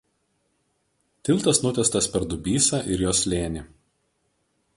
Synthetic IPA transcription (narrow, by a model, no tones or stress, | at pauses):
t̪ʲɪlˠʲˑt̪ɐsnʊt̪ʲɛst̪ɐsʲpʲɛɾd̪ʊbʲiːsɐˑʔɪɾjoːsʲlʲeːnʲɪ